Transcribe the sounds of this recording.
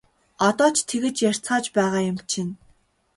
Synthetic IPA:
ɔt̪ɔːt͡ɕʰt̪ʰeɣɘ̆t͡ɕjær̥ʲt͡sχaːt͡ɕpæːʁaːjʊmt͡ɕʰin

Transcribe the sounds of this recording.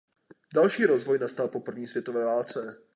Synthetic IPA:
dalʃiːɾo̞zvojnast̪alpo̞pr̩vɲiːsvjɛt̪ovɛːvaːlt͡sɛ

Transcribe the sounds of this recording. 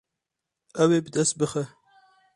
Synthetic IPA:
ɐweːbəd̪ɐst̪̚bɨxə

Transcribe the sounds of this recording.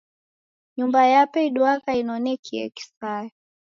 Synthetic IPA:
ɲumbajapɛiɗuakainɔnɛkʰiɛ̰ki̥saɛ

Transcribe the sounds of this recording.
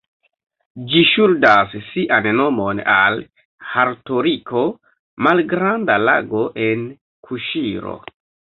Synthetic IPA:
d͡ʒiʃuldassiʔanno̞mo̞na̰l | haɾtoɾikʰo̞ | malɡɾandala̰ɡo̞ʔen | kʰuʃiɾo̰

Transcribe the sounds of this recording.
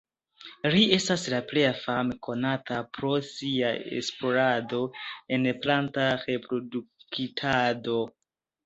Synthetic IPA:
lie̞staslaple̞jafameko̞natapɾo̞siaḛsplo̞ɾado̞e̞nplantaɾe̞pɾo̞dukʰitʰado̞

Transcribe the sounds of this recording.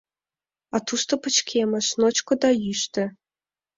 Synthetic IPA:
ɑt̪uʃt̪opə̆t͡ɕkʲʰemɘ̆ʃnot͡ɕkŏd̪ɑjyʃt̪ɘ̆

